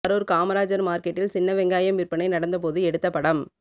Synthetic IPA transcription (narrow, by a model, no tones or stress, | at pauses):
ɐɾoːɾkaːmɐɾaːd͡ʒɐɾmaːɾkɛʈːɪlsɪnːɐʋɛŋɡaːjɐmʋɪrpɐɳɐɪnɐɽɐnd̪ɐp̬oːðɯɛɽɯt̪ːɐpːɐɽɐm